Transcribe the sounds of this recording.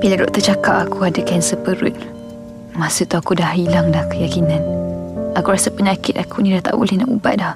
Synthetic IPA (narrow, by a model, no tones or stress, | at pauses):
biladoʔt̪ət͡ʃakapakuadəkansəpəɾʊ̰t̪̚ | masut̪uakudahilaŋdahkəjakinanakuɾasapəɲakɪt̪akʰunĩdaht̪a̰ʔbṵlɛhnaʔṵba̰ʔ̚dah